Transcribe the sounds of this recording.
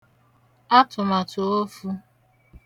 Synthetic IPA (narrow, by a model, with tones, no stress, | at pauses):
a˦tʊ˨ma˨to˨o˦fu˦